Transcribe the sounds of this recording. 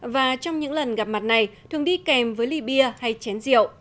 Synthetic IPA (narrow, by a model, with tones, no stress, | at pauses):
vaː˨˩t͡ɕɔ˧wŋ͡mɲɨ̰˧˥ŋlə˨˩nɣa˨˩p̚ma˨˩t̚na˨˩jt̪ʰɨ˨˩əŋɗi˧kɛ˨˩mvəː˨˦jli˧˩ɓi˧əha˧jt͡ɕɛ˨˦nzḭ˧˨ə˨wʔ